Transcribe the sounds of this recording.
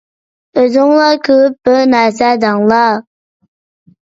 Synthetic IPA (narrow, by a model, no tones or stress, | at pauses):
əzoŋlakɯpːənasad̪ɑŋla